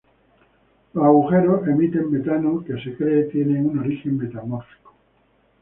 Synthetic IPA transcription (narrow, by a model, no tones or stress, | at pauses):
loaɣuxe̞ɾoe̞mit̪e̞mːe̞t̪anokesekɾeːt̪je̞neŋuno̞ɾixe̞mːe̞t̪amoɾfi̥ko